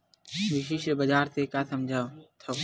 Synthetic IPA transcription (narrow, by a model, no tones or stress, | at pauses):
ʋiʃiʃbəd͡ʒaːɾt̪ekaːsɐmd͡ʒʱaːt̪ʰoː